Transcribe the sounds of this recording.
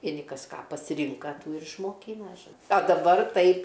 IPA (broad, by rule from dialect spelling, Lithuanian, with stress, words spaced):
ʋʲiɛˈnʲɪ ˈkɐs ˈkɑː pɐsʲɪˈrʲɪŋkɐ ˈtuː ɪr ɪʃmoːˈkʲiːnɐ ʒoː ɐ dɐˈbɐr ˈtɐɪp